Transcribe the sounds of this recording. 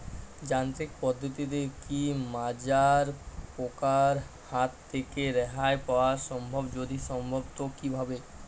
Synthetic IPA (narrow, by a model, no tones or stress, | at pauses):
d͡ʑant̪ɾik̚pɔd̪ʱːot̪it̪̬ekimad͡ʑaɾpokaɾ | hat̪ːʰekeɾɛɦaepaoaɾʃɔmbʱobd͡ʑod̪iʃɔmbʱobt̪okibʱabe